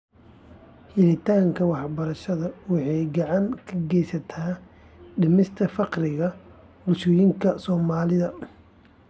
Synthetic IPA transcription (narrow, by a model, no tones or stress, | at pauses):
hɪlɪt̪ʰaːŋkʰɐwɑħbɐɾɐʃɐðɐwɑħɑjɡɑʕɑŋkʰɐɡɛjsɐt̪ʰaː | ɖɪmɪst̪ʰɐfɑqrɪɣɐ | bʊlʃɔːjɪŋkʰɐsɔːmaːlɪðɐ